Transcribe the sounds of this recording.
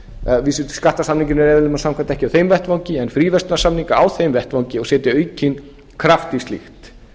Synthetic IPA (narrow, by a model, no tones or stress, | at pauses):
visʏ̥skaht̪asamniŋcɪnɛɾɛːðɪlɪmːasamkʰvant̪ɛhcɪawθejmvɛht̪vawɲcɪɛnfɾiːvɛst̪nasamniŋkaawθejmvɛht̪vawŋcɪɔɣsɛːt̪ɪœːɥcin | kʰɾaft̪ist̪lḭxt̪